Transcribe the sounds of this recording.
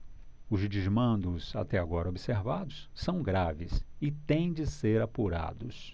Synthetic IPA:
ʊzd͡ʒizmɐ̃nd̪ʊsa̰t̪ɛaɡɔɾɐobiseɾvad̪ʊssɐ̃w̃ɡɾavɪsɪt̪ẽj̃d͡ʒɪseɾapuɾa̰d̪ʊs

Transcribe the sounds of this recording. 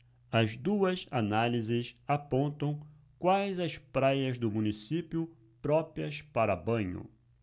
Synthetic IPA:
ɐzd̪uɐzanalizɪsapõnt̪ɐ̃w̃ | kwajzɐspɾajɐzd̪ʊmũnisipiʊ | pɾɔpɾiɐspaɾɐbɐ̃ɲʊ̰

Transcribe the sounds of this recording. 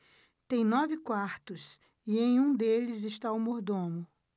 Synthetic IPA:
t̪ẽj̃nɔvɪkwaɾt̪ʊs | ɪẽj̃ũd̪elɪzɪʃt̪awmoɾd̪õmʊ

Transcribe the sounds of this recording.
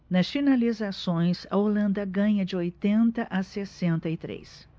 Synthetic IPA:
nɐsfinalizasõj̃sɐ̰olɐ̃nd̪ɐɡɐ̃ɲɐd͡ʒɪojt̪ẽnt̪ɐʔasesẽnt̪ɐɪt̪ɾḛs

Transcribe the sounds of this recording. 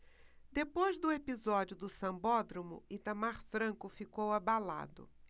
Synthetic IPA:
d̪epojzd̪ʊepizɔd͡ʒʊd̪ʊsɐ̃bɔd̪ɾomʊ̰it̪ɐmaɾfɾɐ̃kʊfikowabala̰d̪ʊ̰

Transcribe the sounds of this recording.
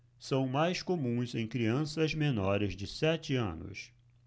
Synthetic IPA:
sɐ̃w̃majskomũzẽj̃kɾiɐ̃sɐzmenɔɾɪzd͡ʒɪsɛt͡ʃɪɐ̰̃nʊ̰s

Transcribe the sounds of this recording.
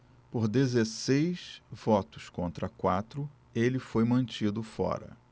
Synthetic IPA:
poɾd̪ezesejsv̥ɔt̪ʊ̥skõnt̪ɾɐkwat̪ɾʊ | elɪfojmɐ̃nt͡ʃid̪ʊfɔ̰ɾɐ̰

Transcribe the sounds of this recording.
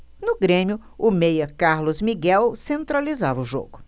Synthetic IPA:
nʊɡɾẽmjʊʊmejɐkaɾlʊzmiɡɛwsẽnt̪ɾalizavɐʊʒo̰ɡʊ

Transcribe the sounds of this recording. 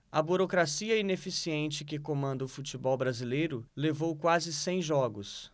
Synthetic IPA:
ɐbuɾokɾasiɐinefisiẽnt͡ʃɪkɪkomɐ̃nd̪ɐʊfut͡ʃibɔwbɾazilejɾʊlevowkwazɪsẽj̃ʒɔɡʊs

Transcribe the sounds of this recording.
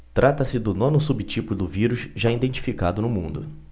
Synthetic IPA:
t̪ɾʔat̪ɐsɪd̪ʊnõnʊsubit͡ʃipʊd̪ʊviɾʊʃʒaĩd̪ẽnt͡ʃi̥fikad̪ʊnʊmũnd̪ʊ

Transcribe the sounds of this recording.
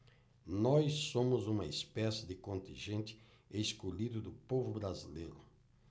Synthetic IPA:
nɔjsːõmʊzũmɐespɛsɪd̪ɪkõnt̪ĩʒẽnt̪ɪ̥ | eskoʎid̪ʊd̪ʊpovʊbɾazilejɾʊ

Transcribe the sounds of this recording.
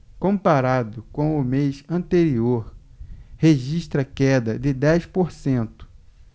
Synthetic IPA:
kõpaɾad̪ʊkõw̃ʊmejsɐ̃nt̪eɾioɾheʒiʃt̪ɾɐkɛd̪ɐd̪ɪd̪ɛjspoɾsẽnt̪ʊ̥

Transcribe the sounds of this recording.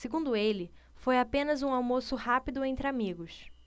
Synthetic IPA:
seɡũnd̪ʊelɪ | fojapẽnɐzũawmosʊhapid̪ʊẽnt̪ɾɪamiɡʊs

